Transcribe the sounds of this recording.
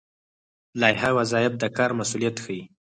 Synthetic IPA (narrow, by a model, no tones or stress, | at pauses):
lɑjɦawazɑjɪb̚d̪əkɑɾmasulijat̪xəji